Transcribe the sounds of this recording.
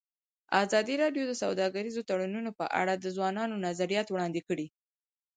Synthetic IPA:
azɑd̪iɾɑɖjod̪əsawd̪ɑɡaɾizot̪aɽununopə̰ʔa̰ɽad̪əzwɑnɑnonazaɾijɑt̪wɽɑnd̪ekəɽi

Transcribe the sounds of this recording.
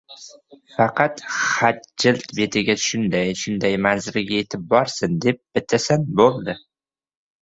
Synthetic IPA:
fɑqɑt̪χat̪̚d͡ʒɪlt̪be̞t̪ʰɪɡʲat̪ʰʊ̥ʃʊnd̪æjʰʃʊnd̪æjmanzɪɾɡʲaet̪ʰɪp̚bɒɾsɨnd̪ep̚b̥ɪt̪ʰasanbolˠd̪ɪ

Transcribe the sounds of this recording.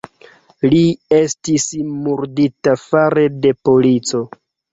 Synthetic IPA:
lie̞stismuɾditafaɾe̞de̞polit͡so̞

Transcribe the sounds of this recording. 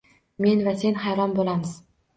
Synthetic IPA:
me̞nvase̞nhajɾɒmbolamɪz̥

